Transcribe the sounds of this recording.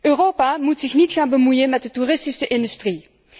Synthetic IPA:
ʔøːrowpaːmutsɪxnitχaːnbəmujənmɛt̚dəturɪstisəʔɪndystri

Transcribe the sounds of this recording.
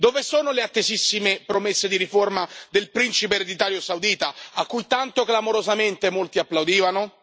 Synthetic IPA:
d̪ovesoːnoleat̪ːezisːimepɾomesːed̪iɾiformad̪elpɾint͡ʃipeːɾed̪it̪aːɾjosawd̪iːt̪aakːujt̪ant̪oklamoɾozament̪emolt̪iapːlawd̪iːvano

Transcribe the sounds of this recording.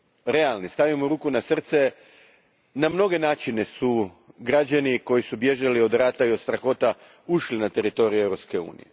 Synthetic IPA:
ɾe̞alˠnist̪aʋimouɾuːkunasr̩t̪se̞ | namno̞ɡe̞naːt͡ʃine̞su | ɡɾad͡ʑaniko̞jisubje̞ʒalio̞d̪ɾaːt̪aiod̪st̪ɾaxo̞ːt̪a | uʃlinat̪e̞ɾit̪o̞ɾiue̞vɾo̞pske̞ṵːnḭje

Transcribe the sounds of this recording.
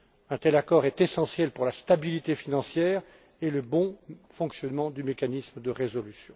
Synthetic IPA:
ɛ̃t̪ɛlakɔʁɛt̪esɑ̃sjɛlpuʁlast̪abilit̪efinɑ̃sjɛːʁ | eləbɔ̃fɔ̃ksjɔnmɑ̃d̪ymekanisməd̪əʁezɔlysjɔ̃

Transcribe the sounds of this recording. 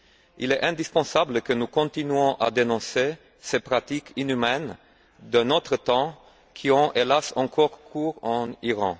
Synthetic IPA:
ḭlɛʔɛ̃d̪ispɑ̃sabləkənukɔ̃t̪inɥɔ̃ʔa̰d̪enɔ̃se | sepχat̪ikʰinymɛn | d̪ənɔt̪χət̪ɑ̃ | kʰiɔ̃ʔelasɑ̰̃kʰɔʁkʰuːʁɑ̃iʁɑ̰̃

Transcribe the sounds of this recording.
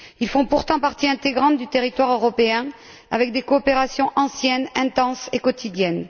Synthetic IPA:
ilfɔ̃puʁt̪ɑ̃paʁt̪iɛ̃t̪eɡʁɑ̃t̪d̪yt̪eʁit̪waʁøʁɔpeɛ̃ | avɛk̚d̪ekɔːpeʁasjɔ̃ʔɑ̃sjɛnɛ̃t̪ɑ̃sekɔt̪ʰid̪jɛn

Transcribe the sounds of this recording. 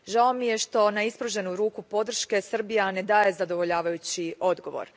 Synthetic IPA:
ʒao̞mije̞ʃt̪o̞naispɾoʒe̞nuɾuːkupo̞d̪r̩ʃke̞sr̩bijane̞d̪aːje̞zad̪o̞ʋo̞ʎaːʋajut͡ɕiʔo̞d̪ɡo̞ʋo̞̰ɾ

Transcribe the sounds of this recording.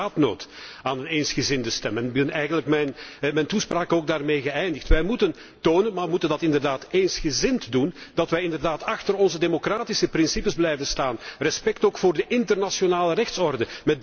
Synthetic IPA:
aːtno̰ːt | aːnəneːnsxəzɪndəstɛmənbɪnɛjɣəndləkmɛjnmɛjntuspraːkəoːɡ̚daːrmeːɣəɛjndɪxtʋɛjmutən | toːnənmaːəmutəndɑtɪndərdaːtensxəzɪntdundɑtʋɛjɪndərdaːtɑxtərɔnzədemokraːtisəprɪnsipəzblɛjvənstaːnrɛspɛktoːkfoːrdəʔɪntərnasjonaːlərɛxtsɔrdəmɛt̚

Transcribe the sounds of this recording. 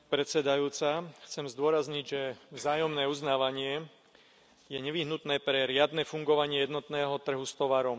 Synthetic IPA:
pɾɛt̪sɛd̪ajuːt͡saxt͡sɛmzd̪ʊɔɾazɲiɟʒɛvzaːjɔmnɛːuznaːʋaɲɪɛ | jɛɲɛʋiɦnut̪nɛːpɾɛɾɪad̪nɛːfuŋɡɔʋaɲɪɛjɛd̪nɔt̪nɛːɦɔt̪r̩ɦust̪ɔʋaːɾɔm

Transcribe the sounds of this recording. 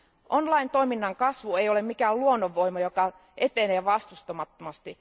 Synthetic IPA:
ʔonlɑint̪oiminːɑŋkɑsʋueiolemmikæːlluonːoʋːoimɑjokɑ | ʔet̪eneːʋɑst̪ust̪omɑt̪ːomɑst̪i

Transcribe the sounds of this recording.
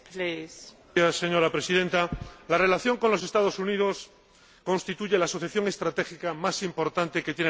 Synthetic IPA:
les | asːe̞ɲo̞ɾapɾe̞siðe̞nt̪alare̞laθjo̞ŋko̞nlo̞se̞st̪að̞o̞sunið̞o̞s | ko̞nst̪it̪uʝe̞laːso̞θjaθjo̞ŋe̞st̪ɾat̪e̞xikamasimpo̞ɾt̪ant̪e̞ket̪jen

